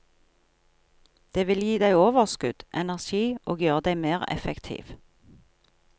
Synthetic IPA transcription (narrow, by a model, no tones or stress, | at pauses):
d̪̥eːʋɪljiːd̪æɪoːʋəʁskʉd̪̥ʔɛnæʁʃiːʔoːɡjøːʁəd̪æɪmeːʁɛ̰fɛkt̪ʰḭːʋ